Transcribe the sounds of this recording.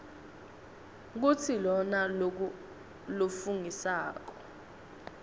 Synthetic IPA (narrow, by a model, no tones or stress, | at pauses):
k̬utʰilɔna | lofuŋisaːk̬ɔ̥